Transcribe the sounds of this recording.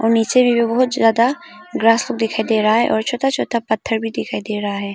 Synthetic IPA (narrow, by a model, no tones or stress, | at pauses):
ɔːɾniːt͡ʃemẽbʱibɐɦʊt̪zjaːd̪a | ɡɾaːslʊk̚d̪ɪkʰaːid̪eːɾɐɦaɦɛ̰ʔɔːɾt͡ʃʰoːt̪ʰat͡ʃʰoːt̪ʰapɐt̪ʰːəɾbʱid̪ɪkʰaːid̪eːɾɐɦaɦɛː